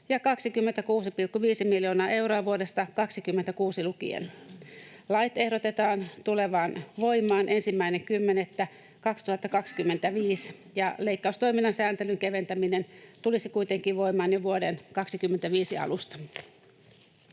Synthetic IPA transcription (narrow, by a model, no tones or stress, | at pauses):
jɑkɑksikymːent̪ækuːsipilkːuʋiːsimiljoːnɑːʔe̞wroɑʋuodest̪ɑkɑksikymːent̪ækuːsilukḭḛn | lɑjt̪e̞hɾot̪e̞t̪ɑːnt̪uleʋɑːnʋo̞jmˑɑːnʔensimːæineŋkymːenet̪ːæ | kɑkst̪uhɑt̪ːɑkɑkskymːe̞nt̪æʋiːs | jɑleikːɑust̪o̞iminːɑsæːnt̪elyŋkeʋe̞nt̪æminent̪ulisikuit̪eŋkiʋʋo̞imɑːnjoʋuodenkɑksikymːent̪æʋiːsiɑ̰lust̪ɑ̥